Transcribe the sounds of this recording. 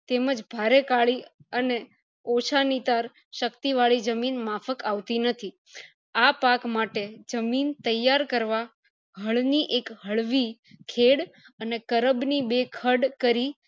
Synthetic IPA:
t̪eməd͡ʒbʱaɾekaɭiəne | ot͡ʃʰanit̪aɾ | ʃəkt̪iʋaɭid͡ʒəminmafəkaʋt̪inət̪ʰi | apakmaʈed͡ʒəmint̪əjːaɾkəɾʋa | ɦəɭniʔekɦəɭʋi | kʰeɽ | ənekəɾəbnibekʰəɖkəɾi

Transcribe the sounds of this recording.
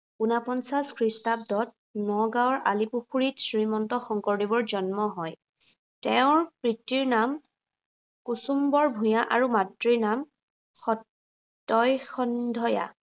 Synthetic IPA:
unapɔnsaskʰɹistab̚dɔt̚ | nɔɡaɔɹalipuxuɹitsɹimɔntɔxɔŋkɔɹdibɔɹzɔnmɔɦɔj | tɛʊ̃ɹpɹitːiɹnam | kusumbɔɹbʱũjaʔaɹumatɹinam | xɔtː | ɔjxɔndʱɔja̰

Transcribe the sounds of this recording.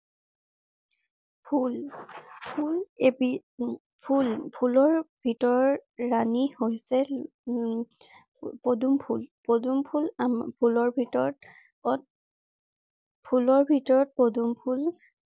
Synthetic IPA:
pʰulpʰulebi | pʰulpʰulɔɹb̥ʱitɔɹɔɹanihojsɛ | podumpʰulpodumpʰulampʰulɔɹbʱitɔɹɔt̚ | ɔt | pʰulɔɹbʱitɔɹɔt̚podumpʰul

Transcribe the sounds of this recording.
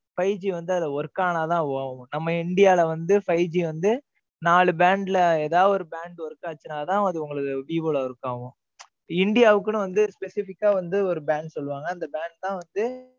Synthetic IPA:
fɐɪd͡ʒiʋɐnd̪ɯɐðɐʋɔɾɯkːaːnaːt̪ãːɐʋaːʋʊ̃nɐmːɐɪɳɖɪjaːlɐʋɐnd̪ɯfɐɪd͡ʒiʋɐnd̪ɯ | naːɭɯbaːɳɖɪlɐɛːðaːʋɐɔɾɯbaːɳɖʋɔɾɯkːaːt͡ʃːɯnaːt̪ãːɐðɯʊŋɡɐɭɯðɯbiːboːlɐɔɾɯkːaːʋʊ̃ | ɪɳɖɪjaːʋɯkːɯnʊ̃ʋɐnd̪ɯspɛsɪfɪkːaːʋɐnd̪ɯɔɾɯbaːɳɖsɔlːɯʋaːŋɡɐɪnd̪ɐbaːɳɖ̚t̪ãːʋɐnd̪ɯ

